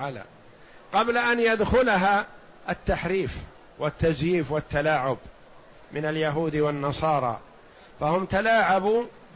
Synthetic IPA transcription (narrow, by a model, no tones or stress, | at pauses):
ala̰ː | qɑblaʔanjad̪xʊlaɦa | ʔat̪ːaħɾiːf | wat̪ːazjiːfwat̪ːalaːʕʊb | mɪnaljaɦuːd̪wanːɑsˤɑːɾˤɑ̰ː | fahʊmt̪alaːʕabuː